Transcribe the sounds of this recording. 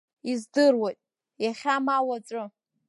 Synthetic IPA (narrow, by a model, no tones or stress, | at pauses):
izdɨrwatʼ | jaχʲamawat͡sʷʼʊ